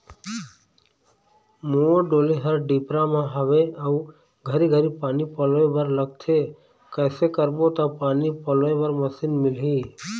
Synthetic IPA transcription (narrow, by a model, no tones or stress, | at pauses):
moɖoːliɦəɾɖipɾamãɦəʋeəu | ɡʱəɾiɡʱəɾipaːnipəlebəɾləɡ̚t̪ʰe | kɛːsekəɾbot̪apaːnipəlẽbəɾməsiːnmɪlɦiː